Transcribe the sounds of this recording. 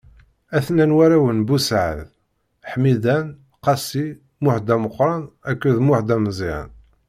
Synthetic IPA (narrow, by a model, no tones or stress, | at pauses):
æθnænwæɾæwənbusʕə̰ð | ħmid̪æn | qɑsi | mʊħd̪æməqːɾˤɑnækːuðmʊħd̪æmzˤiʕə̰n